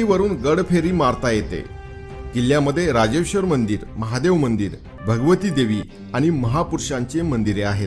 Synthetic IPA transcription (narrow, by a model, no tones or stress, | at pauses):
iʋəɾuːnɡəɽpʰeɾiːmaɾt̪ajet̪ḛ | kiljaməd̪ʱːjeɾad͡ʑeʋɕəɾmənd̪iːɾməɦad̪eʋmənd̪iːɾ | bʱəɡəʋət̪iːd̪eʋiː | aɽ̃iməɦapuɾʂaɲt͡ɕemənd̪iɾeaɦet̪